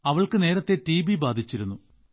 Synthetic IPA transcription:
ɐʋɐɭkɨne̞ːɾɐt̪ːe̞ʈiːbibaːd̪ʱit͡ɕːiɾunːu

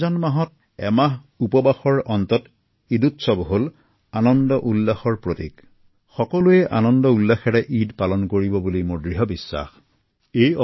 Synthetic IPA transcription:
zanmaɦɔt̚ | ɛ̰ma | upɔbaxɔɹɔnt̪ɔt | idutsɔbɦol | anɔndɔʔulːaxɔɹpɹotik | xɔkɔlujɛʔanɔndɔulːaxɛɹɛʔidpalɔnkoɹibɔbulimʊɹdɹiɦɔbisːa̰x | ejɔ

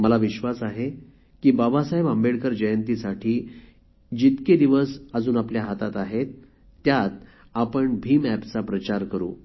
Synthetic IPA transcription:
məlaʋiɕʋasaɦe | kiːbabasaɦebambeɽkəɾd͡ʑəjənt̪isaʈʰiː | d͡ʑit̪ked̪iʋəsəd͡zuːnapljaɦat̪at̪aɦet̪ː | jat̪ | apəɳbʱiːmæpt͡sapɾət͡ɕaɾkəɾṵː

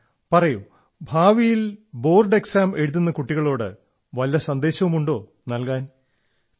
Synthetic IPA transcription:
pɐrɐju | bʱaːʋijilbo̞ːrɖe̞ksaːme̞ɻuðunːɐkuʈːiɣɐɭo̞ːɽɨ̰ | ʋɐliːɐsɐnd̪e̞ːɕɐʋumuɳɖo̞ː | nɐlkaːn

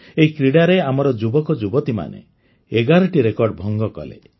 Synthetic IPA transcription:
eɦikɾiɽaɾeamɔɾɔd͡ʒubɔkɔd͡ʒubɔt̪ima̰nḛ | eɡaɾɔʈiɾekɔɾɖbʱɔŋɡɔkɔ̰lḛ

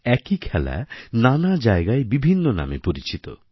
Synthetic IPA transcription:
ɛkikʰɛla̰nanad͡ʑaeɡaebibʱinːona̰mḛpoɾit͡ɕit̪o

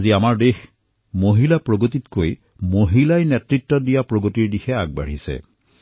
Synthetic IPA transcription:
ziamaɹdex | moɦilapɹoɡotitkoj | moɦilajnɛtɹitːɔdijapɹoɡotiɹdixɛaɡ̚ba̰ɹ̤isɛ̰

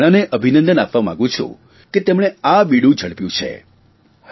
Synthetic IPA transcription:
ɽ̃aneʔəbʱinə̃nd̪ənapʋamã̰ɡũt͡ʃʰṵ̃ | ket̪emɽ̃eaɓiɽũd͡ʒʱəɭpjũt͡ʃʰḛ

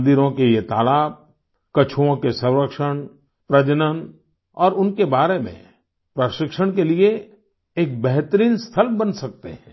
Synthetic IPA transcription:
nd̪iɾõkeijet̪a̰ːlaːb̚ | kɐt͡ʃʰuõkesɐ̃wɾəkʃəɽ̃ | pɾɐd͡ʒnən | ɔːɾʊnkebaːɾemḛ̃ | pɾəʃɪkʃəɽ̃kelie | eːk̚bɛɦt̪əɾiːnst̪ʰəlbɐnsɐk̚t̪ḛɦɛ̃ː

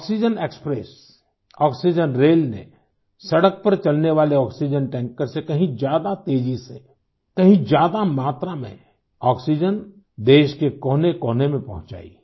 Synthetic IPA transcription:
ɔːksid͡ʒəneːkspɾeːs | ɔːksid͡ʒənɾeːlnḛ | sɐɽək̚pɐɾt͡ʃɐlneʋaːleɔːksid͡ʒənʈɛ̃ːŋkəɾsekɐɦĩd͡ʒjaːd̪at̪eːd͡ʒise | kɐɦĩd͡ʒjaːd̪amaːt̪ɾamḛ̃ | ɔːksid͡ʒən | d̪eːʃkekɔːnekɔːnemẽpɐ̰ɦʊ̃t͡ʃa̰ːḭ

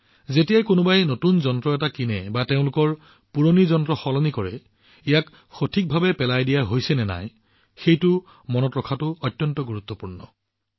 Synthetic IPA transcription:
zetijajkʊnʊbajnotunzɔntɹɔɛtakinɛbateʊ̃lʊkɔɹ | puɹonizɔntɹɔxɔlɔnikɔɹɛ | ijak | xotʰik̚bʱabɛpɛlajdijaɦojsɛnɛna̰j | xejtʊ | mɔnɔtɹɔkʰatʊɔtjɔntɔɡuɹut̪ːɔpuɹnɔ

